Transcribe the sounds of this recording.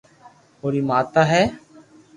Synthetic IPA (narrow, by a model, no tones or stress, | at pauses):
oːɾiːmaːt̪aːɦɛː